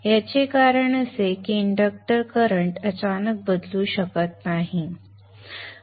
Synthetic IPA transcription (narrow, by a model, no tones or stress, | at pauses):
jat͡ɕekaɾəɳəsekiːɳɖək̚ʈəɾkəɾəɳʈət͡ɕanək̚bəd̪luːɕəkət̪naɦi